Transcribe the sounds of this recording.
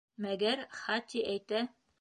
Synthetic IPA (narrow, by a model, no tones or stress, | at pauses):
mæɡæɾχɑt̪iʔæjt̪æ